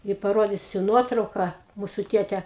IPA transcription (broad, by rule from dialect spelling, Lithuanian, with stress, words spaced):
ɪ pɐˈroːdʲiːsʲʊ ˈnuɔtrɐʊkɐ ˈmuːsʊ ˈtʲeːtʲɛ